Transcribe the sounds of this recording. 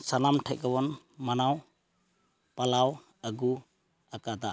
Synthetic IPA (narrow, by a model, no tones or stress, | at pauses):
sanamʈʰac̚ɡɔwɔn | manaw | palaw | əɡu | akad̪a